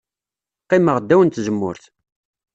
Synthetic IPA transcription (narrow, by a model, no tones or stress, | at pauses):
qːɪməʁd̪ːæwənt̪zəmːʊ̰ɾθ